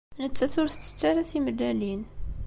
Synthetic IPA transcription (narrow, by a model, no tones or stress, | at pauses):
nət͡sːæθʊɾθt̪ːə̥t͡sːæɾæθiməlːælin